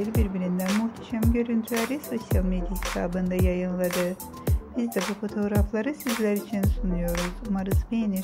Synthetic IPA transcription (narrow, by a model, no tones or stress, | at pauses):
iɾbiɾbiɾind̪ænmuht̪ʰḁʃamɟø̞ɾynt̪ʰylʲæɾiso̞sjalˠmed̪ijahi̥t̪ʰa̰ːbɯnd̪ajajɯnlˠad̪ɯ | b̥izd̪ɛbufo̞t̪ʰo̞ɡɾaflˠaɾɯsizlʲæɾit͡ʃʰinsunujo̞ɾuzumaɾɯzbejni